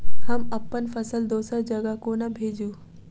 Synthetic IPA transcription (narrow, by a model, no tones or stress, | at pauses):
ɦəməpːənfʰəsəld̪oːsəɾd͡ʒɐɡakoːnabʱeːd͡ʑuː